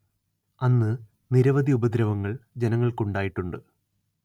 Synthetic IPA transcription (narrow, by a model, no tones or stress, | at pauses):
ɐnːɨ | niɾɐʋɐd̪ʱiubɐd̪ɾɐʋɐŋːɐɭd͡ʑenɐŋːɐɭkuɳɖaːjiʈːuɳɖɨ